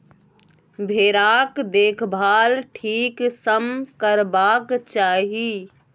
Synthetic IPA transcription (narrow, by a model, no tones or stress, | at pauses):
bʱeːɾaːkd̪eːkʰbʱaːlʈʰiːksəmkəɾbaːkt͡ʃaːɦi